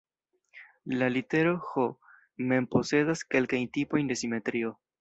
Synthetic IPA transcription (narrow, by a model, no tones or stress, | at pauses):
lalite̞ɾo̞xo | me̞mpo̞se̞daske̞lkajntipo̞jnde̞sime̞tɾio̞